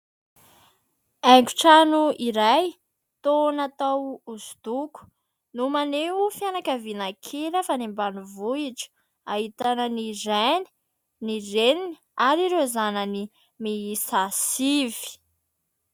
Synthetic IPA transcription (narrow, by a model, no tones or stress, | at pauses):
ɛŋɡu̥ʈ͡ʂanuiɾaj | t̪onat̪awuzud̪uku̥ | numaneufjanakavinakʰelafanimbanuvuiʈ͡ʂə̥ | aɦit̪anəniɾeni̥ | nirenini | aɾiɾezanəni | miisasiv̥i̥